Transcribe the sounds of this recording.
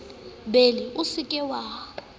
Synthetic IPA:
beliusikʼɛwaː

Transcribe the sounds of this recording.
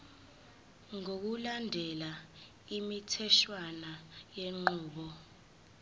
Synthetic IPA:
ŋok̬ulandʱɛla | imitʰɛʃwanajeŋ͡ǃuːɓɔ

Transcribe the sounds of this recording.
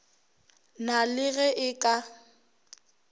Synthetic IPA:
nalɪɣɛʔɪkʼa

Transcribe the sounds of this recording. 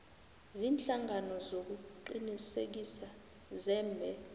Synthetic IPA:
ziːnt͡ɬaŋʱanɔzok̬uǃinisḛk̬isa | zɛːmbʱɛ

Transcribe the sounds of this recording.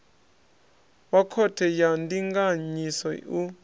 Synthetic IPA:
wakʰɔtʰɛjandiŋɡaɲisɔu

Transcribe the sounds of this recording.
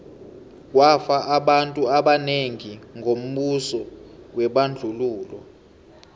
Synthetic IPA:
k̬wafaʔaɓantʼuaɓaneŋiŋʱom̩ɓusɔwɛɓand͡ɮʱuluːlɔ̰

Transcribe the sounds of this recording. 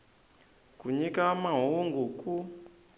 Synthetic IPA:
kuɲikamaɦuŋɡuku

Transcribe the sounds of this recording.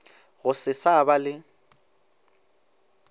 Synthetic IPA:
ɣʊsɪsabalɪ

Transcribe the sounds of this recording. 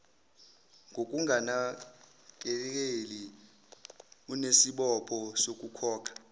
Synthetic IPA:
ŋɡʱokʼuŋʱana | k̬ʼɛk̬eli | unesiɓɔpʰɔsokʼukʰɔːkʰḁ

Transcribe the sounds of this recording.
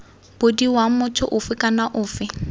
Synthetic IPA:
b̥ʊdiwamʊtʰʊʔʊfɪkʼanaʔʊːfɪ

